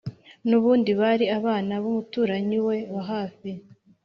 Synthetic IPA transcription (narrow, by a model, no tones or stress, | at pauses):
nuβuːndiβaɾiaβaːnaβumutuːɾaɲiwe̞βaɦaːfi